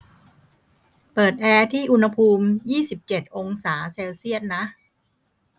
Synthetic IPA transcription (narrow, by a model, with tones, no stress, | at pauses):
pɤː˨˩t̪̚ʔɛː˧t̪ʰiː˥˩ʔu˧nha˧pʰuː˧mjiː˥˩si˨˩p̚t͡ɕe˨˩t̪̚ʔo˧ŋsaː˩˦seː˧wsi˥˩ət̪̚na˦˥ʔ